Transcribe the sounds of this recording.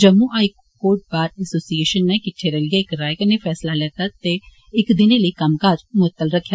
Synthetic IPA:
d͡ʒəmːuːʔaːik | koːʈ̚baːɾɛsoːsieːʃənːɛkɪʈʰːeːɾɛlɪjaɪkɾaːjkəneːfʰɛːslaːlɛːt̪aːt̪eː | ɪkd̪ɪneːləiːkəmkaːd͡ʒmʊt̪ːəlɾəkʰːja

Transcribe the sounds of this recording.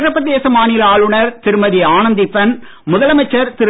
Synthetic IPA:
ɾɐpːɐðeːsɐmaːnɪlaːlɯɳɐɾt̪ɪɾɯmɐðiaːnɐnd̪ipɐn | mʊðɐlɐmɐt͡ʃːɐɾt̪ɪɾ

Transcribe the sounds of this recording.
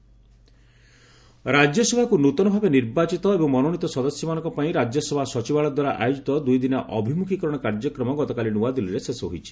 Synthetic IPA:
ɾad͡ʒjɔsɔbʱakunut̪ɔnɔbʱabeniɾbat͡ʃit̪ɔebɔŋmɔnoɽ̃it̪ɔsɔd̪ɔsjɔmanɔ̃ŋkɔpaĩɾad͡ʒjɔsɔbʱasɔt͡ʃibaɭɔd̪waɾaʔa̰jod͡ʒit̪ɔd̪ujd̪inaʔɔbʱimukʰikɔɾɔɽ̃ɔkaɾd͡ʒɔkɾɔmɔɡɔt̪ɔkalinuad̪iliɾesesɔɦo̰jt͡ʃʰi̥

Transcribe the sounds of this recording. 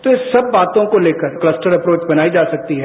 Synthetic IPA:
t̪oɪsɐbːaːt̪õkoleːkəɾklɐsʈəɾɐpɾoːt͡ʃbɐnaːid͡ʒaːsɐk̚t̪iɦɛː

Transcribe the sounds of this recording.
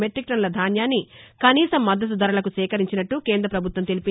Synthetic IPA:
meʈɾik̚ʈɐnlɐd̪ʱaːnjaːnːikɐniːsɐmːɐd̪ːɐt̪̬ud̪ʱɐɾɐlɐk̬usɛːkɐɾiɲt͡ʃinɐʈːukeːnd̪ɾɐpɾɐbʱut̪wʋɐmt̪elipi

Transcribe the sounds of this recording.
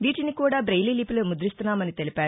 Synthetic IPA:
ʋiːʈinikuːɽaːbɾɐjliːliːpuleːmud̪ɾist̪unːaːmɐnit̪e̞lipaːɾu

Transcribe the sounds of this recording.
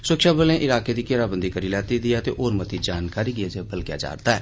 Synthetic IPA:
səkʃaːbəlẽːʔɪlaːkeːd̪iːkeɾaːbənd̪iːkəɾiːlɛːt̪id̪ɪaːt̪ḛːʔoːɾmət̪id͡ʒaːnkaːɾiːɡɪeːd͡ʒeːbəlɡja̰ːd͡ʒa̰ːɾt̪aːɛː

